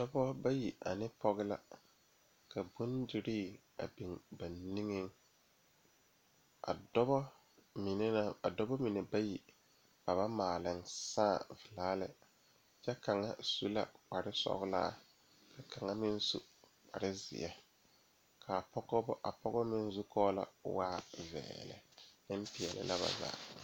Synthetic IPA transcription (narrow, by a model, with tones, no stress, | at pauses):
dɔ˦bɔ˦ba˦ji˨a̰˨nɪ˦pʰɔ˦ɣɪ˦la̰˦ | kʰa˨bu˦ndi˨ɾiː˦˨ | a̰˨bi˨ŋba˨nni˦ŋɪ˦ŋ | a̰˨dɔ˦bɔ˦ | mi˨ne˦a˦a̰˨dɔ˦bɔ˦mi˨ne˨ba˦ji˨ | ba˨βa˦maː˨lɪ˨ŋsaː˦˨vɪ˨laː˦lɪ˨ | t͡ʃɛ˦ka˨ŋa˦su˦la̰˦k͡pa˨ɾɪ˦sɔ̰˦ɣla̰˦˨ | ka˨kʰa˨ŋa˦mɪ˦n˦su˦ | k͡pa˨ɾɪ˦zɪ̰˨ʔɛ˦ | kʰa˨pɔ˦ɡɔ˦bɔ˦ʔa˨pɔ˦ɣɔ˦mɪ˦n˦zu˦kʰɔː˦la̰˨waː˦vɛ̰ː˨lɪ̰˨nɪ˦m˦pɪ˨ɛ˨lɪ̰˨lʔa˦βa̰˨za̰ː˨